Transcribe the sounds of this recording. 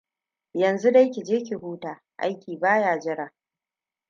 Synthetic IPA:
jɐ˨nzu˦da˦jkʲi˨d͡ʒeː˦k̬ʲi˨huː˦taː˨ | ʔa̰˦jkʲiː˨baː˦jaː˨d͡ʒɪ˦ɽaː˨

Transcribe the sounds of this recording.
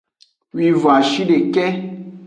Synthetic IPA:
wi˨vo˨a˨ʃi˦ɖe˨kɛ˦

